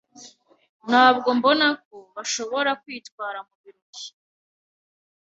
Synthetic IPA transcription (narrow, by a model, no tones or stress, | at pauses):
naːb̚ɡo̞mbo̞nak̚o̞βaʃo̞βo̞ɾakwiːtkwaːɾamuβiɾuɡi̥